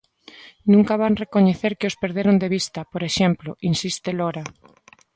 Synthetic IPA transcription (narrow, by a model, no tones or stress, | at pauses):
nũŋkaβ̞anrekoɲeθeɾkeospeɾðeɾond̪eβist̪ɐpoɾeʃemploʔinsist̪eloɾa